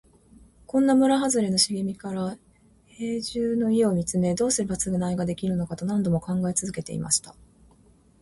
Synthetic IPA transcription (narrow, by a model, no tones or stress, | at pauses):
kõ̞nːamɯ̟ɾaɦazɨɾe̞no̞ɕiɡemʲikaɾa | he̞ːʑɨːno̞ie̞o̞mʲit͡sɨme̞d̪o̞ːsɨɾɯbat͡sɨɡɯ̟naiɡad̪e̞kʲiɾɯ̟no̞kat̪o̞nãnd̪o̞mo̞kãŋɡaet͡sɨzɨke̞t̪e̞̰ḭma̰ɕi̥t̪ḁ